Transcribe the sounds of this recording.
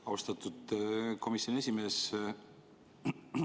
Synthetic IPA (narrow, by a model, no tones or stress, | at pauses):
ɑwst̪ɑt̪ːˑud̪̥kʰo̞misjo̞nie̞sʲime̞ːs